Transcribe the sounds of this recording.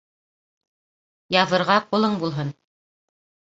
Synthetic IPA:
jɑðɤ̆ɾʁɑqulˠɤɴbulˠɦɤn

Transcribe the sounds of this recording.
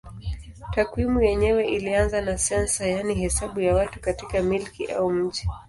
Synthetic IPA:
takwimujɛɲɛwɛʔilianzanasɛnsajaniɦɛsaɓujawatukatikamilkiʔa̰um̩ʄi

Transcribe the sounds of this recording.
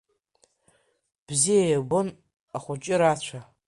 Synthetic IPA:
b̥zijajbon | aχʷʊt͡ʃʼɪɾat͡ɕʷʰa

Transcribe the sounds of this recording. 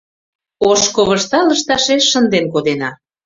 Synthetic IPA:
oʃkoβəʃt̪ɑləʃt̪ɑʃeʃːənd̪enkod̪enɑ

